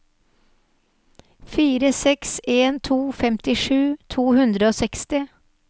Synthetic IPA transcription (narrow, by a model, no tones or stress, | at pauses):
fiːɾəsɛkseːnt̪ʰuːfɛmt̪ɪʂʉːt̪ʰuːhʉnd̪ɾəoːsɛkst̪ɪ